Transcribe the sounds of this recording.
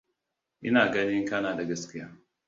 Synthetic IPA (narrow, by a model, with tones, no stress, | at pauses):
ʔɪ̰˦naː˨ɡɐ˦nɪ˦ŋkɐ˦naː˨da˨ɡɐ˦skʲɪ˦jaː˦